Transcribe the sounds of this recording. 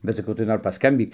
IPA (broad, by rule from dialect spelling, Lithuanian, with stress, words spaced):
bʲɛt sɐˈkɐʊ tɐɪ ˈnoːr pɐskɐmʲˈbʲiːk